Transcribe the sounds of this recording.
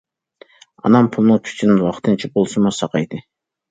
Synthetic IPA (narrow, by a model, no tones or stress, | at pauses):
ɑ̰nɑmpʰulˠnɨŋkʲʰy̥t͡ʃʰinɪnwɑqt̪ʰɨnt͡ʃʰibolˠsɨmɑsɑqɑjd̪ɨ